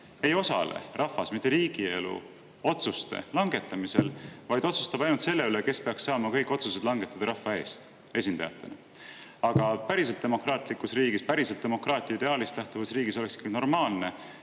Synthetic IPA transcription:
e̞jo̞sɑ̰lḛrʔɑfɑsmit̪ːˑeɾiːɡ̥ie̞lṵ | o̞t̪sust̪e̞̰lɑŋɡ̥e̞t̪ːˑɑmise̞lvɑjd̪̥o̞t̪su̥st̪ɑb̥ɑjnult̪se̞lːe̞yleke̞spe̞ɑkssɑːmɑkɤjkːˑo̞t̪sused̪lɑŋɡ̥e̞t̪ːˑɑd̪ɑɾɑfːɑe̞ːst̪ | e̞s̬ʲind̪̥ɑ̰jɑ̰t̪ːˑe̞̰nɑ | ɑɡ̥ɑpæɾiselt̪d̪̥e̞mo̞krɑːt̪ˑlikːusriːɡispæɾiselt̪̚ːe̞mo̞krɑːt̪ʲˑiɑid̪e̞ɑːlist̪læht̪uvɑsriːɡ̥iso̞leksikːɑɡ̥ino̞rmɑːlne̞

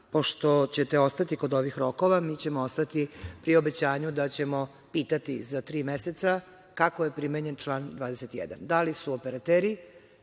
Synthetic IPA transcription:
po̞ʃt̪o̞t͡ɕet̪e̞o̞st̪at̪iko̞d̪o̞ʋixɾo̞ko̞ʋamiːt͡ɕe̞moost̪at̪ipɾio̞be̞t͡ɕaːɲud̪at͡ɕe̞mo̞ | piːt̪at̪izat̪ɾiːmeset̪sa | kako̞je̞pɾimeɲe̞nt͡ʃlˠaːnd̪ʋaːd̪eset̪ijḛd̪a̰nd̪alisuopeɾat̪eːɾi

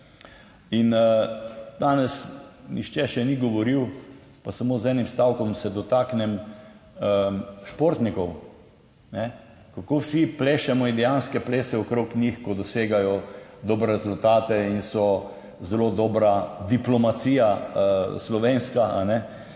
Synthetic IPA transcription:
in | d̪aːnɛsnixt͡ʃɛʃɛniɡɔʋɔɾiw | pasamoːzɛːnimst̪awkɔmsɛd̪ɔt̪aːknɛm | əʃpoɾt̪nikɔw | nɛ | kakoːwsipleːʃɛmɔid̪ɛjanskɛpleːsɛɔkɾoːknixkɔd̪ɔseːɡajɔd̪ɔːbɾɛɾɛzult̪aːt̪ɛinsɔ | zɛlod̪ɔːbɾad̪iplɔmat̪siːja | slɔʋeːnskaanɛ

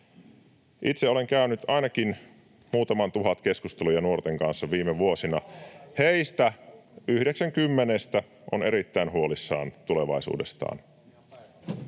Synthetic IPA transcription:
ʔit̪seole̞ŋkæynyt̪ɑinɑk̟in | muːt̪ɑmɑnt̪uɦɑt̪keskust̪elujɑnuort̪eŋkɑnsːɑʋiːmeʋuosinɑheist̪æyhde̞ksæŋkymːenest̪æ | ʔoneɾit̪ːæinɦuolisːɑ̰ːnt̪ule̞ʋɑ̰isṵːde̞st̪ɑ̰ːn

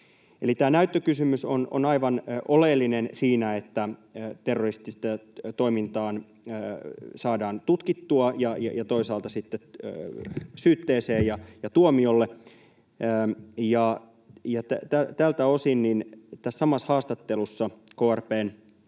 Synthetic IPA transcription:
elit̪æːnæyt̪ːøkysymysono̰nɑiʋɑnʔolelːinensiːnæet̪ːæt̪erːorist̪ist̪æt̪o̞imint̪ɑːnː | sɑːdɑːnt̪ut̪kit̪ːuɑjɑjɑ̰jɑt̪o̞isɑːlt̪ɑsit̪ːeøsyːt̪ːeːseːjɑjɑt̪uomiolːeː | jɑ | jɑt̪æt̪æt̪ælt̪æo̞sinnint̪æssɑmɑshɑːst̪ɑt̪ːelusːɑkoːærpeːn

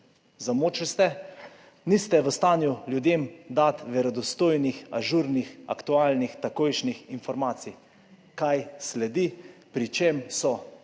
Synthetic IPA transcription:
zamoːt͡ʃilst̪ɛ | nist̪ɛʋəst̪aːnjuljud̪emd̪at̪ʋɛɾɔd̪ɔst̪oːjnixa̰ʒuɾnixa̰kt̪uaːlnixt̪akoːjʃnixinfɔɾmaːt̪si | kajslɛd̪ipɾit͡ʃemsɔ

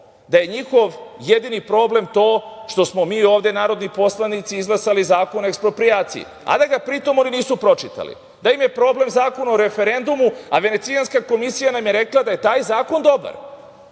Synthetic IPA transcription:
d̪aje̞ɲixo̞ʋjed̪inipɾo̞ːble̞mt̪o̞ːʃt̪o̞smo̞miːo̞ːʋd̪e̞naːɾo̞d̪nipo̞slˠanit̪siizɡlˠasalizaːko̞noekspɾo̞pɾijaːt̪sḭjḭ | a̰d̪aɡapɾit̪o̞mo̞niniːsupɾo̞t͡ʃit̪a̰lḭ | d̪aimje̞pɾo̞ːble̞mzaːko̞naoɾe̞fe̞ɾe̞nd̪umuaʋe̞ne̞t̪sijanskako̞misijanamje̞ɾe̞klˠad̪aje̞t̪aːjzaːko̞nd̪o̞ba̰ɾ

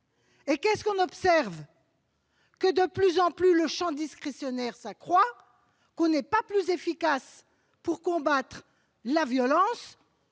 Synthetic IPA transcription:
ekɛskɔ̃nɔpsɛʁv | kəd̪əplyzɑ̃plyləʃɑ̃d̪iskχesjɔnɛʁsakχwa | kɔ̃nɛpaplyzefikas | puʁkɔ̃bat̪χ | lavjɔlɑ̃s

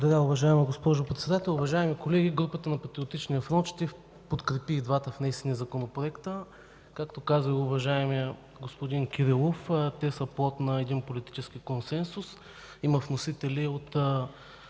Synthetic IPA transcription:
d̪ɐɾʲaʊvɐʒaɛmɐɡospɔʒopɾɛt̪sɛd̪at̪ɛlˠʊvɐʒaɛmikolɛɡʲiɡɾupət̪ənɐpɐt̪ɾiot̪it͡ʃnijəfɾɔnt̪t͡ʃt̪if | pot̪kɾɛpiːd̪vat̪əfnɛisiniəzɐkonopɾoɛkt̪ə | kakt̪okazəiʊvɐʒaɛmijə | ɡospod̪inkʲiɾilˠoft̪ɛsɐplˠɔt̪nɐɛd̪inpolit̪i̥t͡ʃɛsk̟ikonsɛnsʊs | imɐfnosit̪ɛliot̪ː

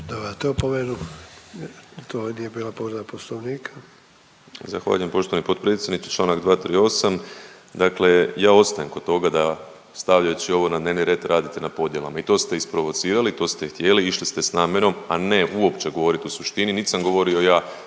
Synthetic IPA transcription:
d̪obat̪opomenu | t̪onijebiːlapoɾd̪aposloʋniːkʰḁ | zaxʋa̰ːʎuje̞mpo̞ʃt̪o̞ʋanipo̞d̪̚pɾe̞t̪sʲjed̪nit̪e̥t͡ʃlˠaːnaɡd̪ʋaːt̪ɾiːo̞sam | d̪akle̞jaːo̞t̪st̪ajemko̥t̪o̞ɡad̪a | st̪aʋʎajut͡ʃio̞ʋo̞nad̪ne̞ʋniɾje̞t̪ɾʔaːd̪it̪enapo̞d̪je̞la̰mait̪o̞st̪e̞ispɾo̞ʋo̞t̪siːɾalit̪o̞ːst̪e̞xt̪je̞liiʃlist̪e̞snaːme̞ɾo̞mane̞ʔuo̞pt͡ʃe̞ɡo̞ʋo̞ɾit̪eusuʃt̪ininit̪samɡo̞ʋo̞ɾio̞jaː

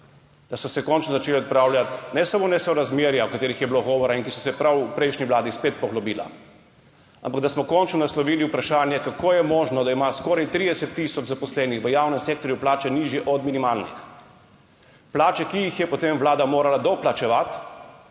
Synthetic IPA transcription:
d̪asɔsɛkɔnt͡ʃnɔzat͡ʃeːliɔt̪pɾaːwljat̪nɛsamoːnɛsɔɾazmeɾjaɔkat̪eːɾixjɛbloɡɔːʋɔɾaiŋkisɔsɛpɾawupɾɛjʃniʋlaːd̪ispeːt̪̚pɔɣlɔbiːla̰ | a̰mpaɡd̪asmɔkɔnt͡ʃnɔnaslɔʋiːliupɾaʃaːnjɛkakʰoːjɛmɔːʒnɔd̪aimaskɔːɾajt̪ɾiːd̪ɛsɛt̪ːisɔd͡ʒzapɔslɛːnixʋəjawnɛmseːk̚t̪ɔɾjuplaːt͡ʃɛniːʒjɛʔɔd̪minimaːlnḭx | plaːt͡ʃɛkijixjɛpɔt̪emʋlaːd̪amoːɾalad̪ɔplat͡ʃɛʋat̪

